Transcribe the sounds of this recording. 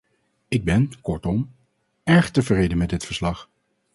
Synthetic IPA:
ɪɡ̚bɛnkɔɹtɔm | ɛɹχtəvrejdənmɛdɪtfəɹslɑχ

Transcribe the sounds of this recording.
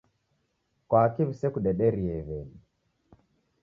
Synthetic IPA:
kwakiβisɛkuɗɛɗɛɾiɛβɛni

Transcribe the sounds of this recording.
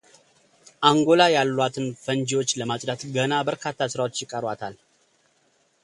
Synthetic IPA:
ʔaŋɡo̞lajalːwat̪ʰɨnfənd͡ʒiwo̞t͡ʃːləmat͡ʃʼd̪at̪ɡənabəɾkʰat̪ʰːasɨɾawo̞t͡ʃːjɪkʼːəɾwat̪ʰal

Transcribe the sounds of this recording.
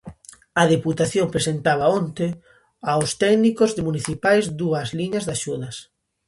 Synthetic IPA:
ɐðeput̪aθjompɾesent̪aβ̞ɐont̪e | awst̪ɛɡnikozðemuniθipajzd̪uɐzliɲɐzðaʃuðɐs

